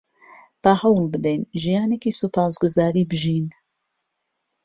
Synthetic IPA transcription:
b̥ahɐwlbɨd̪ɛjnʒijɑːnekiːsupʰɑːsɡʊzɑːɾiːbɨʒiːn

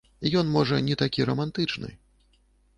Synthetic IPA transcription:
ijɔnmɔʐɐnʲɛt̪akʲiɾɐmant̪ɨt͡ʂnɨ̰

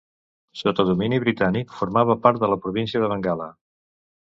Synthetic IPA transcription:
sot̪əðuminiβɾit̪anikfuɾmaβ̞əpaɾt̪̚ðələpɾuβ̞insiəðəβəŋɡalə

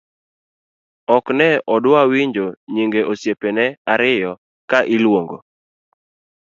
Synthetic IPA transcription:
ɔknɛɔdwawiɲd͡ʒoɲiŋɡeʔosjepenɛaɾɪjɔ | kaʔilwoŋɡo̰

